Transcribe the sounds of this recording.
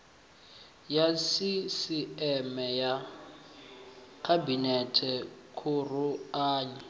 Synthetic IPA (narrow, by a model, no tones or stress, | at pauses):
jasisiɛmɛja | kʰabinɛtʰɛkʰuruaːɲɛ